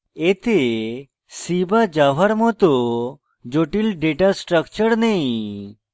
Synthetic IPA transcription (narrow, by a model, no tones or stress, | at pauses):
et̪e | sibad͡ʑaʋ̤aɾmɔt̪o | d͡ʑoʈilɖeʈasʈɾəkt͡ɕəɾnej